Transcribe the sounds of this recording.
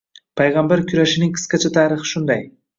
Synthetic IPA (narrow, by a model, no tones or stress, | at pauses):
pʰajʁɑmbaɾkʰʲyɾæʃɪnɪŋkʲʰɪ̥skʲat͡ʃʰat̪ʰɑːɾɨχɨ̥ʃʊnd̪ɑj